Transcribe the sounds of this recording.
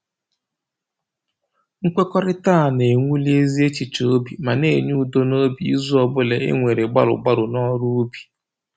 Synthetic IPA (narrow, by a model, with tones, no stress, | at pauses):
ŋ̩˦kʷe˦kɔ˦ɾɪ˦taː˦˨ne˨ŋʷu˦li˦e˦zi˦e˦t͡ʃi˨t͡ʃo˦bi˨ma˨ne˦˨ɲu˦u˨do˦no˦bi˨ḭ˦zu˦ɔ˨bʊ˦le˨ḛ˦ŋʷe˨ɾe˨ɡ͡ba̰˦ɾʊ̰˨ɡ͡ba˦ɾʊ˨nɔ˦ɾu˦bi̥˨